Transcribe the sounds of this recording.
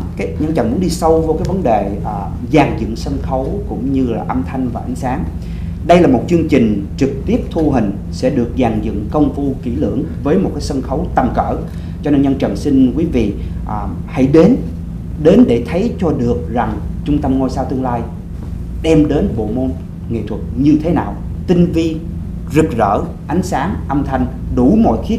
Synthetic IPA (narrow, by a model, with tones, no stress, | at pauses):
kaː˨˦jɲə˧nt͡ɕə̰˨˩nmu˨˦ŋɗi˧sə˧wvkaː˨˦jvə˨˦nɗe˨˩ʔː | zaː˨˩ŋzɨ̰˧˨ə˨ŋsə˧nxə˨˦wkʊ̰˧˥ŋ͡mɲɨ˧laː˨˩ʔə˧mt̪ʰa˧jŋ̟vaː˨˩ʔa˨˦jŋ̟saː˨˦ŋ | ɗə˧jlaː˨˩mo˨˩t̚t͡ɕɨ˧əŋt͡ɕï˨˩ŋ̟t͡ɕɨ˨˩k̚t̪i˦˥əp̚t̪ʰu˧ɦï˨˩ŋ̟ | sɛ̰˧˥ɗɨ˨˩ək̚zaː˨˩ŋzɨ̰˧˨ŋkə˧wŋ͡mfu˧kḭ˧˩lɨ̰˧˩˨əŋvəː˨˦jmo˨˩t̚kaː˨˦jsə˧nxə˨˦wt̪ə˨˩mkə̰ː˧˩˨ | t͡ɕɔ˧ne˧nɲə˧nt͡ɕə̰˨˩ŋsi˧nkwi˨˦vḭ˧˨ | ʔ | ha̰˧˩jɗe˨˦n | ɗe˨˦nɗe˧˩t̪ʰə˨˦jt͡ɕɔ˧ɗɨ˨˩ək̚za˨˩ŋt͡ɕʊ˧ŋ͡mt̪ə˧mŋo˧jsaː˧wt̪ɨ˧əŋlaː˧j | ɗɛ˧mɗe˨˦nɓo̰˧˨mo˧n | ŋḛ˧˨t̪ʰwə˨˩t̚ɲɨ˧t̪ʰe˨˦naː˨˩w | t̪ï˧ŋ̟vi˧ | zɨ˨˩k̚zə̰ː˧˨ | ʔa˨˦jŋ̟saː˨˦ŋʔə˧mt̪ʰa˧jŋ̟ɗu˧˩mɔ̰˧˨jxi˨˦˥